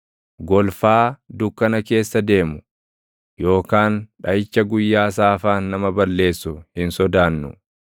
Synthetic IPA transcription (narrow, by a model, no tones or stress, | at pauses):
ɡɔlfaːd̪ʊkːɐnɐke̞ːsːɐd̪e̞ːmʊ̥ | jo̞ːkaːnᶑɐjɪt͡ʃːɐɡʊjːaːsaːfaːnːɐmɐbɐlːe̞ːsːʊhɪnsɔd̪aːnːʊ̰